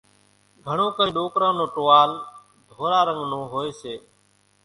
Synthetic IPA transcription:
ɡʱəɳõːkəɾiːɗoːkɾãːnõːʈoːaːl | d̪ʱoːɾaːɾə̃ŋɡnõːɦoːeːseː

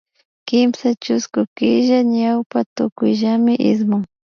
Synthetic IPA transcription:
kɪmsat͡ʃʊskʊkɪʒaɲawpat̪ʊkʊjʒamɪʔɪ̰smʊŋ

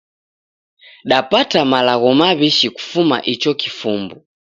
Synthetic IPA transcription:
ɗapatamalaɣɔmaβiʃiku̥fuma̰ʔit͡ʃɔkifumbu

